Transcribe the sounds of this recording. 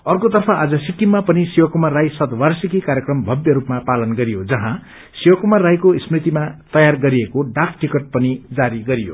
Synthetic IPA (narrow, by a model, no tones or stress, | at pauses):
ʌrkot̪ʌrpʰʌʔad͡zʌsikːimːapʌnisiwʌkumarajsʌt̪warsikikaɾjekrʌmbʱʌbjʌɾupmapalʌnɡʌɾijod͡zʌɦã | siwʌkumarːajkosprit̪imat̪ʌjarɡʌɾiekoɖak̚ʰʈikʌʈ̚pʌnid͡zaɾiɡʌɾijo̰